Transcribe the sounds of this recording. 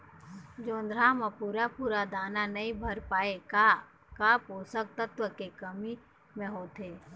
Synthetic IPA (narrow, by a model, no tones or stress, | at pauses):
d͡ʒoːnd̪ɾaːməpuːɾapuːɾad̪aːnanəĩbʱəɾpaːeka | kaːpoːsək̚t̪ət̪wəkekəmi | mẽɦoːt̪eː